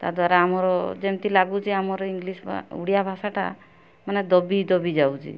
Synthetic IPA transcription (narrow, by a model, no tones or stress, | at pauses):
t̪aɾd̪waɾaamɔɾɔd͡ʒemt̪ilaɡut͡ʃʰiamɔɾɔiŋɡlisṵɽijabʱasaʈa̰ | maned̪ɔbid̪ɔbid͡ʒawt͡ʃʰḭ